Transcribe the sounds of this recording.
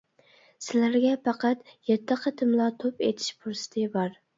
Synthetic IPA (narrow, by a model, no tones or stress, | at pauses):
sɪlæɾɡʲɛpʰɑqɑt̪jɛt̪ʰːɨqʰət̪ʰɨmlˠɑt̪ʰopet̪ʰɪ̥ʃpʰuɾsɪ̥t̪ʰɨbɑɾ